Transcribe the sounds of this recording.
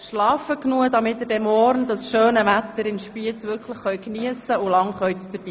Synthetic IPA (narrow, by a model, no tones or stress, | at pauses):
ʃlɑːfəknuəd̪ɑmɪtːədɛmɔːɾnd̪ɑsʃøːnəvæt̪ːəɾɪnʃpiət͡sʋʏɾkʰləχːœʏkniəsəʊlɑŋχœɥt̪d̥əɾb̥iː